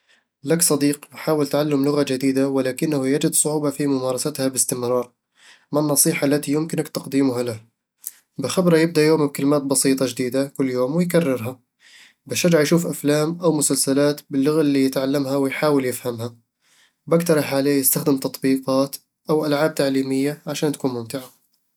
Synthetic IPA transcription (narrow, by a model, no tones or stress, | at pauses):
laksˤɑd̪iːqnħaːwɪlt̪ʕalːamlʊɣad͡ʒɪd̪iːd̪awɪlaːkɪnːahujad͡ʒɪd̪sˤʊʕuːbɑfimʊmɑːɾˤɑsat̪habɪst̪ɪmɾˤɑːɾˤ | manːɑsˤiːħaʔlːat̪ijʊmkɪnakt̪ɑqd̪iːmʊɦalah | bɪxabɾˤɑjɪb̚d̪aʔjoːmɪb̚kɪlmaːt̪̚bɑsˤiːt̪ˤɑd͡ʒɪd̪iːd̪akʊlːjoːmwɪjkarːɪɾɦa | baʃad͡ʒaʕjʃuːfʔaflaːmʔawmʊsalsalaːt̪bɪlːʊɣaʔlːijɪt̪ʕalːamɦawɪjħaːwɪljɪfhamha | bakt̪ɑɾˤɑħʕaleːjɪst̪axd̪ɪmt̪ɑt̪ˤbiːqɑːt̪ | ʔawʔalʕaːb̚t̪aʕliːmɪjːaʕaʃaːnt̪akuːnmʊmt̪ɪʕa